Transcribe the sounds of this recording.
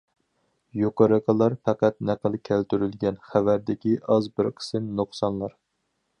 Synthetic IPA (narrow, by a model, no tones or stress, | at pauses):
joqɑɾɨqəlˠɑɾfɑqæt̪næqəlˠkʲʰælt̪yɾylɡʲɛnχævæɾd̪ɪkʲiʔɑzbɪɾqʰə̥sɨnnoχsɑnlˠɑɾ